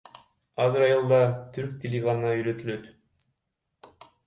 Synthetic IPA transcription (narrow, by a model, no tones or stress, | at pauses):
ɑzɯɾɑjɯlˠd̪ɑt̪ʰyɾk̚t̪ʰʲelʲiɡannɑyjløt̪yløt̪